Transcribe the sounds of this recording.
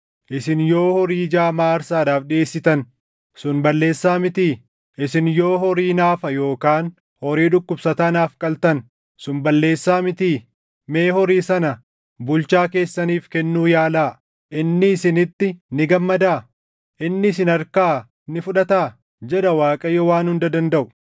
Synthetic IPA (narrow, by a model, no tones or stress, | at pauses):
ʔɪsɪnjo̞ːhɔɾiːd͡ʒaːmaːɐɾsaːᶑaːfɗɪeːsːɪt̪ɐn | sʊnbɐlːe̞ːsːaːmɪt̪iː | ɪsɪnjo̞ːhɔɾiːnaːfɐjo̞ːkaːn | hɔɾiːᶑʊkːʊbsɐt̪ɐːnaːfkʼɐlt̪ɐn | sʊnbɐlːe̞ːsːaːmɪt̪iː | me̞ːhɔɾiːsɐnɐ | bʊlt͡ʃaːke̞ːsːɐniːfkɛnːuːjaːlaː | ʔɪnːɪːsɪnɪt̪ːɪnɪɡɐmːɐd̪aː | ʔɪnːɪːs̬ɪnɐɾkaː | nɪfʊᶑɐt̪aː | d͡ʒɛᶑɐwaːkʼɐjɔwaːnhʊnd̪ɐd̪ɐnd̪ɐʔʊ̥